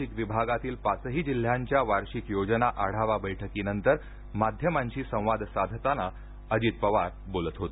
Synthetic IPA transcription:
ikʋibʱaɡat̪iːlpat͡səɦiːd͡ʑil̤ːjaɲt͡ɕjaʋaɾɕikjod͡ʑənaʔaɽ̤aʋabəjʈʰəkiːnənt̪əɾ | mad̪ʱjəmaɲt͡ɕiːsə̃w̃ʋad̪ʱsad̪ʱt̪ana | əd͡ʑiːt̪̚pəʋaɾbolət̪ɦot̪e

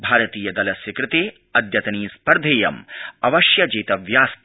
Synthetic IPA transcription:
bʱaːɾɐt̪iːjɐd̪ɐlɐsʋikɾɪt̪eː | ɐd̪ʱjɐt̪ɐniːspɐɾd̪ʱeːjɐmɐʋɐʃjɐd͡ʒeːt̪ɐʋjaːst̪

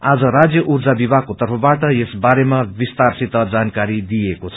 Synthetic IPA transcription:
ad͡zʌɾad͡zjʌʔuɾd͡zabibʱakot̪ʌrpʰʌbaʈʌjesbaɾemabist̪arsit̪ʌd͡zankaɾid̪ijekot͡sʰʌ

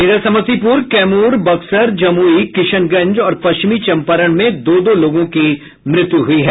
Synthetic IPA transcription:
iːd̪əɾsɐmət̪ipuːɾkɛːmuːɾbɐksəɾd͡ʒɐmuːikɪʃənɡɐ̃ɲd͡ʒɔːɾpɐʃt͡ʃɪmit͡ʃɐ̃mpəɾəɽ̃mẽd̪oːd̪oloːɡõki | mɾɪt̪juɦʊiɦɛː

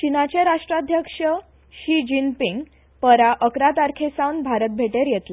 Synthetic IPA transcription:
t͡ɕinat͡ɕeɾaʂʈɾad̪ʱjəkʂə | ɕid͡ʑinpiŋɡ | pəɾaʔəkɾat̪aɾkʰesawnbʱaɾət̪̚bʱeʈeɾjɛt̪la

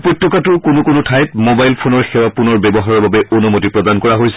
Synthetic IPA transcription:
potːjɔkatʊkonʊkonʊtʰajt̚mobajlpʰonɔɹxɛwapunɔɹbɛbɔɦaɹɔɹbabɛʔonumotipɹɔdankɔɹaɦojsɛ̥

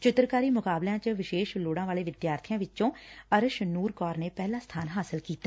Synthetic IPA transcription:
t͡ʃɪt̪ɾkaːɾiːmʊkaːbljãːt͡ʃəʋɪʃeːʃloːɽãːʋaːleːʋɪd̪jaːɾt̪ʰijãːʋɪt͡ʃõːəɾəʃnuːɾkɔːɾneːpɛːlãːst̪ʰaːnɦaːsɪlkiːt̪ːaː

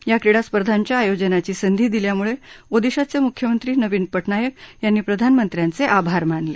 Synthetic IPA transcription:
jakɾiɽaspəɾd̪ʱaɲt͡ɕjaːjod͡ʑənat͡ɕiːsənd̪ʱiːd̪iljamuɭeod̪iɕat͡semukʰjəmənt̪ɾiːnəʋiːnpəʈɳajək̚janːiːpɾəd̪ʱanmənt̪ɾjant͡seʔabʱaɾmaɳle

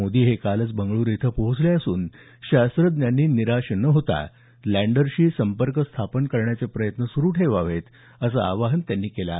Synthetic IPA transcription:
od̪iːɦekalət͡sbəŋɡɭuːɾit̪ʰəpoɦut͡sleəsṵːn | ɕast̪ɾəd̪njanːiːniɾaɕnəɦot̪a̰ | læ̃ɳɖəɾɕiːsəmpəɾkəst̪ʰapənkəɾɳjat͡sepɾəjət̪nəsuɾuːʈʰeʋaʋ̤et̪ | əsəa̰ʋaɦənt̪janːiːkela̰

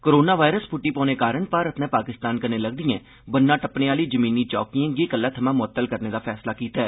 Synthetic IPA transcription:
koɾoːnaːʋaːɪɾəspʰʊʈːiːpɔ̃ːneːkaːɾəɳpaːɾət̪nɛ̃ːpaːkɪst̪aːnkəneːləɡd̪ɪjɛ̃ː | bənːãːʈəpnẽːaːliːd͡ʒəmiːniːt͡ʃɔ̰ːkiãɡiːkəlːaːt̪ʰəmãːmʊət̪ːəlkəɾneːd̪aːpʰɛːslaːkiːt̪aɛː

